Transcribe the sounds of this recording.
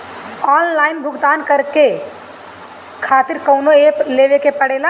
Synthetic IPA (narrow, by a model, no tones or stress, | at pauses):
ɔːnlaːɪnbʱʊɡt̪aːnkɐɾke | kʰaːt̪ɪɾkəʊnoeːpleːʋekepəɽeːla